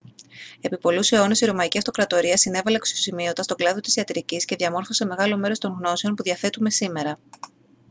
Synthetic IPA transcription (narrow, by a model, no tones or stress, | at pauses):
e̞pipo̞luseo̞nesiɾo̞mɐiciɐft̪o̞kɾɐt̪o̞ɾiɐsine̞vɐleeksosimio̞t̪ɐst̪o̞ɡlɐðo̞t̪i̥siɐt̪iɾicisce̞ðʝɐmo̞ɾfo̞se̞me̞ɣɐlo̞me̞ɾo̞st̪o̞ŋɣno̞se̞o̞npuðiɐθe̞t̪ume̞sime̞ɾɐ